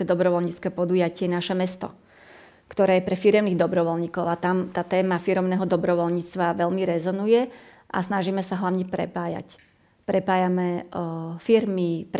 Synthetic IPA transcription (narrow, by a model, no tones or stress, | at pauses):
ɛd̪ɔbɾɔʋɔlɲiːt͡skɛːpɔd̪ujacɪɛnaʃɛmɛst̪ɔ̰ | kt̪ɔɾɛːjɛpɾɛfiɾɛʊniːɣd̪ɔbɾɔʋɔlɲiːkɔʊat̪amt̪aːt̪ɛːmafiɾɔʊnɛːɦɔd̪ɔbɾɔʋɔlɲiːt͡st̪ʋaʋɛlmiɾɛzɔnujɛ | ʔa̰snaʒiːmɛsaɦlaʋɲɛpɾɛ̰paːja̰c | pɾɛpaːjamɛ | fiɾmip